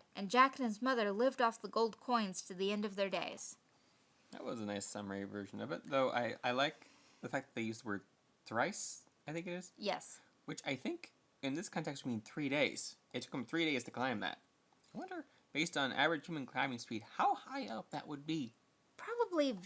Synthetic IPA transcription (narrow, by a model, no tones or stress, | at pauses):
ʔɨ̃nd͡ʒæknɨ̃nzmʌðə˞lɪvdɔfðəɡoʊlˠd̚kʰɔ̃ɪ̃nz̥tʰɨðiɛ̃ndʌvðə˞deɪz̥ | ðɨ̰t̚wʌzənaɪsʌmə˞ivɜ̰˞ʒɨ̃nʌ̰vɨ̰t̚ðoʊʔa̰ɪʔa̰ɪlaɪk̚ | ðɨfæk̚ðət̪̚ðeɪjʉstəwɜ˞d̪̚ | θɹaɪs | aɪθɪ̃ŋkɨɾɨz̥jɛs | wɨt͡ʃaɪθɪ̃ŋk | ɨ̃nðɪskʰɑ̃ntɛkstwimĩnθɹiɾeɪz̥ | ɨtʰʊkɨ̃m̩θɹiɾeɪz̥tʰɨkʰl̥ãɪ̃mðæ̰t̚ | aɪwʌ̃ndə˞ | b̥eɪstn̩ʔæ̰vəɹɨ̥ʒ̥hjʉmɨ̃nkʰl̥ãɪmɪ̃ŋspid̚haʊhaɪʌp̚ðɨ̰ʔwəd̚bi | pʰɹ̥ɑbəbli